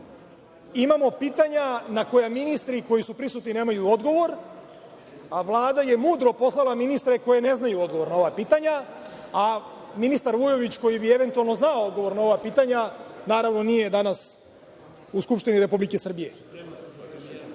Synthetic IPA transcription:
imamo̞piːt̪aɲanako̞jaminist̪ɾiko̞jisupɾisut̪nine̞ːmajuod̪ɡo̞ʋo̞ɾ | aʋlˠaːd̪aje̞muːd̪ɾo̞po̞slˠalˠaminist̪ɾe̞ko̞je̞ne̞znajuo̞d̪ɡo̞ʋo̞ɾnao̞ʋapiːt̪aɲa | a | minist̪aɾʋujo̞ʋit͡ɕko̞jibie̞ʋe̞nt̪ualˠno̞znaood̪ɡo̞ʋo̞ɾnao̞ʋapiːt̪aɲanaːɾaʋno̞nije̞d̪anas | uskupʃt̪iniɾe̞publike̞sr̩bije

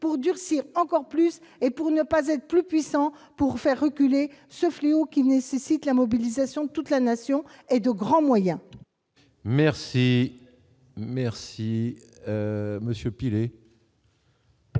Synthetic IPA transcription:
puʁd̪yʁsiʁɑ̃kɔʁplysepuʁnəpazɛt̪χə̥plypɥisɑ̃puʁfɛʁːəkʲylesəfleokʲinesesit̪lamɔbilizasjɔ̃d̪ət̪ut̪lanasjɔ̃ed̪əɡʁɑ̃mwajɛ̃ | mɛʁsi | mɛʁsi | məsjəpile

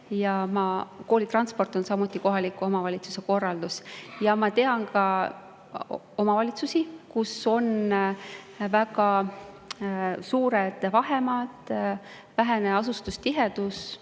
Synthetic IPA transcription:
jɑmɑko̞ːlit̪rɑnspo̞rt̪ːˑo̞nsɑmut̪ˑːiko̞ɦɑlikːˑuo̞mɑvɑlʲit̪su̥se̞ko̞rːɑld̪̥usjɑmɑt̪e̞ɑnkɑ | o̞mɑvɑlʲit̪susikuso̞n | væɡɑ | suːɾed̪̥vɑɦe̞mɑd̪̥ | væɦeneɑsust̪ust̪iɦe̞d̪us

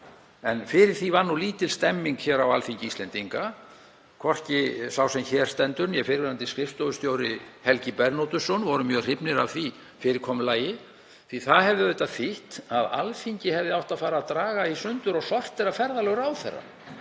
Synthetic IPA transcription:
ɛnfɪɾɪɾ̥θivanːuliːt̪ɪlst̪ɛmːiŋkçɛːɾawa̰lfiɲcɪist̪ɛnt̪iŋka | kʰvɔr̥cɪsawsɛmçɛɾ̥st̪ɛnt̪ʏnjɛfɪɾvɛɾant̪ɪskɾɪft̪ɔwʏst̪jowɾɪhɛlcɪpɛɾnɔwt̪ʏsɔnvɔɾʏmjœːɣr̥ɪpnɪɾavθvi | fɪɾɪɾkʰɔmʏlaːjɪ | θiθaðhɛvðɪvœjt̪afɪht̪aða̰lfiɲcɪhɛvðɪawht̪aðfaːɾaðt̪ɾaːɣaisʏnt̪ʏɾɔɣsɔr̥t̪θɛɾafɛɾðalɛɣɾaːwθɛ̰rːa̰

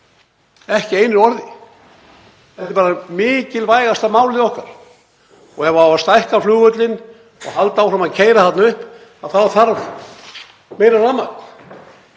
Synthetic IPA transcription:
ɛhcɪejnʏɾɔɾðɪ | ɛht̪ɪpaːɾamɪːcɪlvaːjɣast̪amaːwlɪɔhka̰ɾ̥ | ɔɣɛvaawast̪ajhkaflʏːɣœt̪̬lɪn | ɔ̰ɣhalt̪aawfɾamaðcʰeːjɾaθat̪naʏhp | aðθaðθaɾv | mejɾaraːma

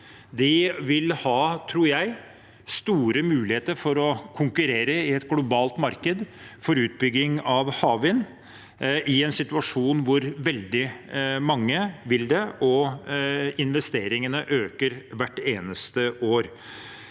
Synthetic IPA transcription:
d̪ɪʋɪlhɑːt̪ʰɾuːɾjæɪ | st̪uːɾəmʉːlɪheːt̪əɾfɔɾɔkʰʊŋkʉɾeːɾəɪɛt̪ɡlʊbɑːlt̪mɑɾkəd̪fɔɾʉːt̪̚bʏɡːɪŋɑʋhɑːʋɪn | ʔɪɛnsɪt̪ʉɑʂuːnʋʊɾʋɛld̪ɪmɑŋːəʋɪld̪ɛʔɔ | ɪnʋɛst̪eːɾɪŋənəʔøːkəɾʋæʈːeːnəst̪əʔoːɾ

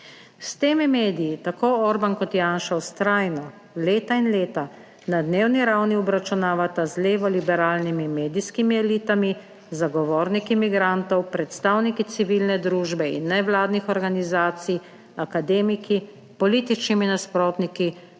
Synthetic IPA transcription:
st̪eːmimeːd̪ijit̪akoːɔɾbankɔt̪jaːnʃawst̪ɾaːjnɔ | leːt̪ainleːt̪a | nad̪neːwniɾawniɔbɾat͡ʃunaːʋat̪azleːʋɔlibɛɾaːlnimimeːd̪iskimiɛliːt̪ami | zaɡɔʋɔːɾnikimiɡɾant̪ɔwpɾɛt̪st̪aːwnikit̪siʋilnɛd̪ɾuːʒbɛḭnːɛʋlaːd̪nixɔɾɡanizaːt̪sij | akad̪eːmiki | pɔliːt̪it͡ʃniminaspɾɔːt̪niki

